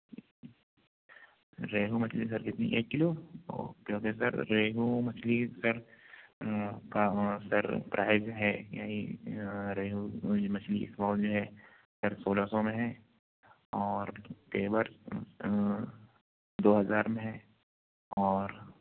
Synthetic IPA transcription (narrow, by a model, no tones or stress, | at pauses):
ɾeːɦumɐt͡ʃʰlis̬ɐɾkɪt̪nḭʔeːkːɪlo̰ːkjõːkesɐ̰ɾːeːɦumɐt͡ʃʰlisɐɾ | kasɐɾpɾʔaːɪzɦɛːjaːɦi | ɾeːɦumɐt͡ʃʰliɪ̰smɔːld͡ʒoːɦɛ | sɐɾsoːlasɔmẽɦɛ̃ | ɔːɾpeːbəɾ | d̪oːɦɐzaːɾmẽɦɛ̃ | ɔːɾ